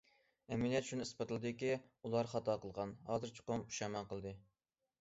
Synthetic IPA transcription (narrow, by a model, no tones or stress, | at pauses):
ɛmɪljɛt̪ʃʰunispɨt̪ɨlˠɨd̪ɨkʲiulˠɑɾχɑt̪ɑqəlˠʁɑnɦɑːzɨɾt͡ʃʰɪ̥qomu̥ʃɑmɑqʰəlˠɨd̪ɨ